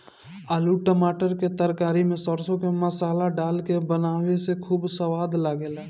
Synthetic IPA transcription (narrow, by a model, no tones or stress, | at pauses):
aːluʈəmaːʈəɾket̪əɾkaːɾimẽsɔɾsõkeməsaːlaɖaːlkebənaːwesekʰuːbsəʋaːd̪laɡelɛː